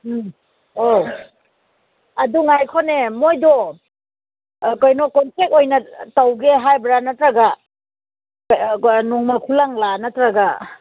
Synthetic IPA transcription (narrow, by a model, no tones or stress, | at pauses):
o | ɐduŋajkʰɔnemojdɔ | kojnɔkɔnpek̚tojnɐtawɡeɦajbɾanɐtɾaɡa | nɔŋmɐkʰulaŋlanɐtɾaɡa